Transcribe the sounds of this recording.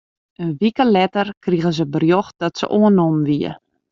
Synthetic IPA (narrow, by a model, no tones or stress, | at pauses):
ənʋikəlɛtərkriɣəzəbərjox̚d̥ɔtsə̰ʔoənomʋiə̰